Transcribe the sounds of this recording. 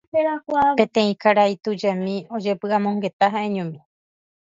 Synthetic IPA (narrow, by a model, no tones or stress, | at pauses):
eɾakʷapẽt̪ẽ̞ĩkaɾajt̪ud͡ʒamĩo̞d͡ʒe̞pɨamõŋɡe̞t̪aɦaẽɲũmĩ